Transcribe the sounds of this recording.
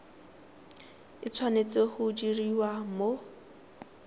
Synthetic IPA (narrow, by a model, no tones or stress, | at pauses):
it͡sʰwanet͡sehʊd͡ʒiriwamo